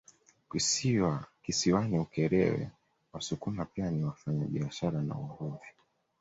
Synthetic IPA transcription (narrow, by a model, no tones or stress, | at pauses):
kisiwakisiwaniukɛɾɛ̰wɛ̰ | wasukumapianiwafaɲaɓiaʃaɾana̰uhuvi